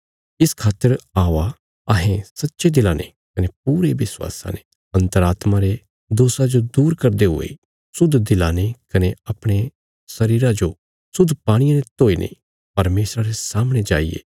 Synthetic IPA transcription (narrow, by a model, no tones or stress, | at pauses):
ɪskʰaːt̪ːəɾaːa | ɐɦẽsɐtːʃed̪ɪlanḛ | kɐnep̚uːɾeʋɪswa̰ːsa̰ne̥ | ɐ̃nt̪əɾaːt̪maɾe | d̪oːsad͡ʒod̪uːɾkɐɾd̪eɦʊ̰ḛ | sʊd̪d̪ɪlanekɐneɐpɽ̃e | sɐɾiːɾad͡ʒo | sʊd̪ʱpaːɽ̃ɪjãnet̪oːinʔḛ̃ | pɐɾmeːsɾaɾesaːmɽ̃ed͡ʒaːijḛː